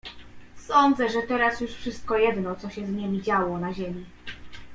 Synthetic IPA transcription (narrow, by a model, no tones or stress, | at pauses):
sɔnd̪zɛʐɛt̪ɛɾasjuʂfʂɘst̪̚kɔjɛd̪nɔt̪sɔɕɛzɲɛmʲid͡ʑawɔnaʑemʲi